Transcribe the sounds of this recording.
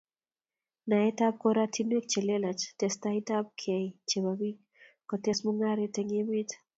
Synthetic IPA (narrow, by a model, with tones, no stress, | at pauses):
na˨ɛ˦tap̚kɔɾatʰi˦nwɛ˦k̚t͡ʃe˨le˦la˨t͡ʃtɛstaɪtap̚kʰɛ˨jt͡ʃe˨babi˦k̚ | kɔ˨tɛsmɔ˦ŋaɾetɛŋe˦mɪ˦t